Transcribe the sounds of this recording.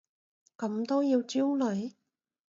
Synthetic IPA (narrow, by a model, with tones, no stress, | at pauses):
kɐ˨˥mt̪o˥wjiː˧wt͡si˥wlɵ˨˥j